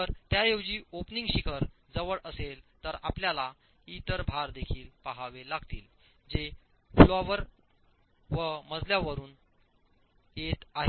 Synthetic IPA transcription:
t̪əɾt̪jajewd͡ʑiːopniŋɡɕikʰəɾ | d͡zəʋəɭəselt̪əɾapljala | it̪əɾbʱaɾd̪ekʰiːlpaɦaʋelaɡt̪iːl | d͡ʑe | floaʋəɾ | ʋəməd͡zʱljaʋəɾuːn | et̪aɦe

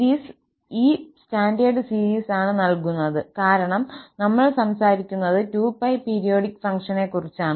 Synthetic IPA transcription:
iːs | iːstaːɳɖɐːɖɨsiːɾiːsaːɳɨnɐlkunːɐðɨkaːɾɐɳɐmnɐmːɐɭsɐmsaːɾikʲːunːɐðɨtuːpːɐjpeːɾijo̞ːɖikːfɐŋkʂɐne̞kːurit͡ɕːaːɳɨ

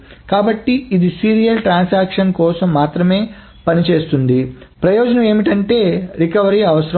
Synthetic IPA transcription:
kaːbɐʈːiid̪isiːɾijɐlʈɾaːnsaːkʂɐnkɔːsɐmːaːt̪ɾɐme̞ː | pɐnit͡ʃe̞ːst̪und̪i | pɾɐjɔːd͡ʒɐnɐme̞ːmiʈɐɳʈe̞ːɾikɐʋɐɾiɐʋɐsɐɾɐ

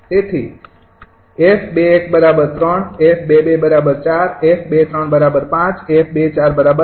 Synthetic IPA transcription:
t̪et̪ʰḭ | efʰbeːkbəɾabəɾt̪ɾəɳefʰbebebəɾabəɾt͡ʃaɾefʰbet̪ɾəɳbəɾabəɾpãt͡ʃefʰbet͡ʃaɾbəɾabə

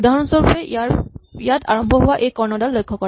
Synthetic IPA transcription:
udʱaɦɔnɔnsɔɹpɛ | ijatʰa̰ɹɔmbʱɔɦʊwaʔejkɔɹnɔdalːojkʰːɔkɔ

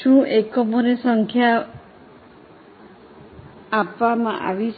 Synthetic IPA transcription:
ʃũʔekɔmɔɾesɔŋkʰja | pamaʔa̰ʋis

